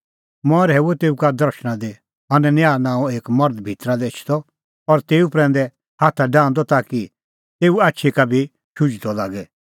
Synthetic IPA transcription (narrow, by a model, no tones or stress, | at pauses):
mɔ̃ɾɦɛːuɛt̪eːukad̪ɐɾʃɽ̃ãd̪e | ɐnɛnjaːnãːũeːkmɐɾd̪bʱit̪ɾad̪et͡ʃʰt̪ɔ | ɔɾt̪eːupɾɛ̃ːn̆d̪ɛ | haːt̪ʰaɖãːnd̪ɔt̪aːki | t̪eːuaːtːʃʰikabʱi | ʃud͡ʒt̪ɔlaːɡɛ